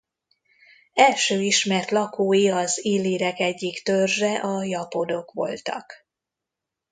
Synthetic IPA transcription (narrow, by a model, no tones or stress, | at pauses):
ɛlʃøːiʃmɛrt̪lɒkoːjiɒziːlːiːɾɛkɛɟːikt̪ørʒɛʔɒjɒpo̞d̪o̞kʋo̞̰lt̪ɒ̰k